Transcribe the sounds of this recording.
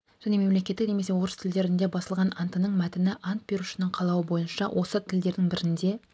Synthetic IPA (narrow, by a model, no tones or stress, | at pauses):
ʒ̥æne̞me̞mle̞kʲe̞t̪ːɪkne̞me̞se̞wo̞ɾəst̪ʰɪld̪e̞ɾɪnd̪e̞bɑsəlˠʁɑnɑnt̪ənəɴmæt̪ɪnɪʔɑnt̪̚be̞ɾuʃɪnɪɴqʰɑlˠɑwəbo̞jənʃɑ̰wʔo̞sət̪ʰɪld̪e̞ɾd̪ɪŋbɪɾɪnd̪e̞